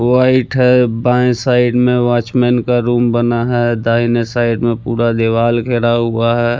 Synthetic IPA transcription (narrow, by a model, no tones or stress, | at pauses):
ʋaɪʈɦɛbãsaɪɖmẽwaːt͡ʃmɛnkaɾuːmbənaɦɛd̪aːɦinesaːɪɖmẽpuːɾad̪eʋaːlkʰeːɽaɦʊaɦɛ